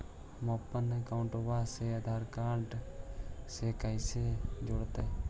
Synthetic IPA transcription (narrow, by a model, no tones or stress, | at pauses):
mɔːpːənekaʊɳʈoʋaːseːəd̪ʱaːɾkaːɾʈ | seːkaiseːd͡ʒʊɽt̪eː